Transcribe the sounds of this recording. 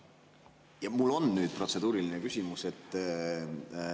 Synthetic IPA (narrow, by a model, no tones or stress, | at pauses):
jɑmulːo̞nːnyːd̪̥̚pro̞t̪se̞d̪uːɾilinekysʲimuse̞t̪ː